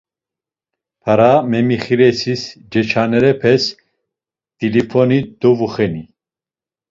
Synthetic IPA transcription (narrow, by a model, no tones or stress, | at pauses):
pʰaɾamɛmiχiɾɛsisd͡ʒɛt͡ʃʰanɛɾɛpʰɛs | d̪̥ilipʰɔnid̪ɔvuχɛni